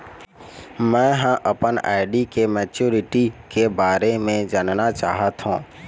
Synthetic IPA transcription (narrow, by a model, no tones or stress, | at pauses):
mɛ̃ːɦãʔəpəna̰ːɪɖikemɛːt͡ʃuːɾɪʈikebaːɾemẽd͡ʒannat͡ʃaːɦət̪ɦṵ̃ː